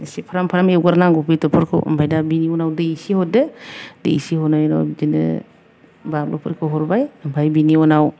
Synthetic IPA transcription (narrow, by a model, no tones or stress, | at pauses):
isipʰaɾampʰaɾamewɡaɾnaŋɡupitɔpʰɯɾkʰɯ̰wɯ̰mpʰajdabiniɔnawdɯisihɔdɯdḛḭsihɔnajnɔ̰d͡ʒinɯ̰ | balɔpʰɯɾkʰɯwɦɔɾbajɯmpʰajbiniɔnaw